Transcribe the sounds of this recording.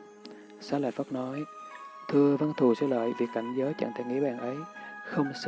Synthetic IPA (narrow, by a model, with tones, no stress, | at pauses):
saː˨˦˥laː˧˩fə˦˥k͡p̚nɔ˨˦jt̪ʰɨ˧əvə˧nt̪ʰu˨˩sɨː˧lə̰ː˧˨jvi˨˩ək̚ka˧˩jŋ̟zəː˨˦jt͡ɕə̰˧˩ŋt̪ʰɛ̰˧˩ŋḭ˧˥ɓa̰ː˧˩nʔə˨˦jxə˧wŋ͡ms